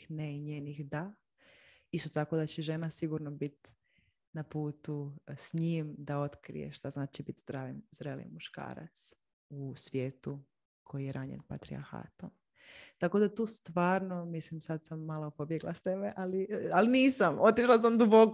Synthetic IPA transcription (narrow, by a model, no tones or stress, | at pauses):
neiɲeːnixd̪a | ist̪o̞t̪ako̞d̪at͡ɕeʒenasiɡuɾnobit̪ | napuːt̪usɲimd̪ao̞t̪kɾḭjḛʃt̪aznaːt͡ʃibit̪zd̪ɾaːʋimzd̪ɾelḭmuʃka̰ːɾa̰t̪s | usʋje̞ːt̪u | kʰo̞jijeɾaɲḛnpat̪ɾḭa̰ɾxa̰ːt̪om | t̪ako̞d̪at̪uːst̪ʋaːɾnomislimsad̪samːalopo̞bjeɡlˠast̪ebeʔalialiniːsamot̪iʃlˠas̬amd̪ubok